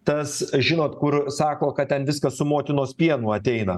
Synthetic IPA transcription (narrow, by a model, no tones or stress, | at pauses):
t̪ɐsʒʲɪnoːt̪kʊɾsɑːkoːkɐt̪t̪ʲɛnʋʲɪskɐssʊmoːt̪ʲɪnoːspʲiɛnuːɐt̪ʲɛɪnɐ